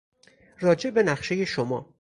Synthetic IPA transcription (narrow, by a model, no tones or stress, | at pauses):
ɾɒːd͡ʒe̞ʔbe̞næχʃe̞je̞ʃomɒː